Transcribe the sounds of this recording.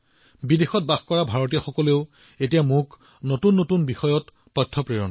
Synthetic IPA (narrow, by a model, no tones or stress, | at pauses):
bidexɔt̚baxkɔɹabʱaɹɔtijaxɔkɔleʊ | etijamʊk | notunːotunbixɔjɔt | pɔtʰːɔpɹeɹɔnɔ